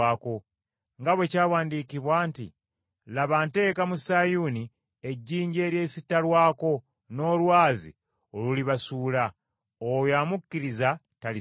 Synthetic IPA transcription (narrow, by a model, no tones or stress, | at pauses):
ako̞ | ŋɡaβwe̞caːwaːndiːkiβwaːntḭ | laβante̞ːkamusajuni | e̞ɟːiːɲɟe̞ːɾje̞ːsitːalwaːko̞ | no̞ːlwaːzḭ | oluliβasuːla | ojaːmukːiɾiza | tali